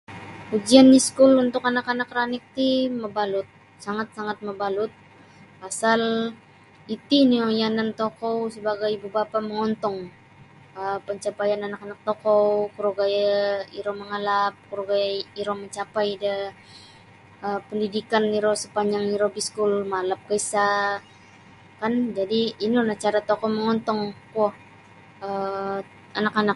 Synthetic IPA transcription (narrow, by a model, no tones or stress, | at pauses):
ud͡ʒianːiskʊlunt̪ʊkanakanakɾanɪk̚t̪iməbalʊt̪̚ | saŋat̪̚saŋat̪̚məbalʊt̪̚ | pasal | it̪inijanant̪okɔwsəbaɡajbubapaməŋɔnt̪ɔŋ | əpəɲt͡ʃapajananakanak̚t̪okɔwkuɾoɡajaiɾɔməŋalap̚kuɾoɡajaiɾɔməɲt͡ʃapajdə | əpəndidikaniɾɔsəpaɲd͡ʒaŋiɾɔbiskulmalap̚kəisa | kand͡ʒadiːnionaht͡ʃaɾat̪ɔkɔməŋɔnt̪ɔŋkuɔh | ə | anakanak̚